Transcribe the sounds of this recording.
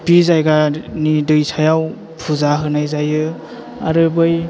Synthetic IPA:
pizajɡanidɯjsʰajaw | pʰuzaɦɯnajzajɯ | a̰ɾɯbɯj

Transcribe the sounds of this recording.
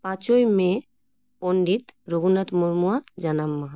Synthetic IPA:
pat͡ʃojmẽ | poɳɖit̪ɾoɡunət̪muɾmuad͡ʒɐnamːa

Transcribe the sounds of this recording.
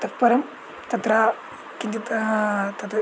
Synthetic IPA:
t̪ɐk̚pɐɾɐm | t̪ɐt̪ɾaː | kind͡ʒɐ | t̪ɐt̪

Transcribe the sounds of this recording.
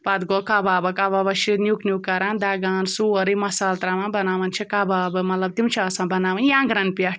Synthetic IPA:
pad̪ɡɔkabaːbɐkababɐʃinjuknjukːɐɾãnd̪aɡaːnsuɐɾimɐsaːlt̪ɾamãbɐnaʋɐnt͡ʃʰikabaːbɨmɐt̪lɐb̚t̪imt͡ʃʰaɐsãbɐnaːʋɐnjãŋɡɾɐnpjaʈʰ

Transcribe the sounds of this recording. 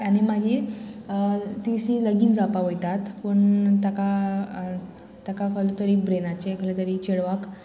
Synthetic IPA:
añimad͡ʑʱi | t̪iɕiləɡiːnd͡zapaʋəjt̪at̪pəɳt̪aka | t̪akakəlot̪əɾiːbɾenat͡ɕekʰəlet̪əɾit͡ɕeɽʋak

